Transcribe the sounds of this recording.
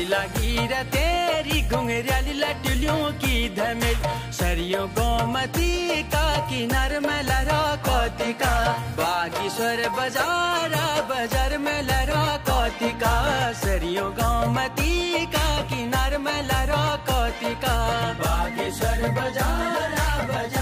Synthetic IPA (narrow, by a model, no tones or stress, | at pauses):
laɡiɾət̪eɾiɡʱʊ̃ŋɡeɾjaːlilɐʈuljõkid̪ʱɐmet̪ | sɐɾijõɡɔːmət̪ikakinaɾmẽlɐɾakɔːt̪ikabaːɡisɐɾbɐd͡ʒaːɾabɐd͡ʒɐɾmẽlɐɾakɔt̪ikasɐɾijõɡɔːmət̪ikakinaɾmẽlɐɾakɔːt̪ikabakisɐɾbɐd͡ʒaɾa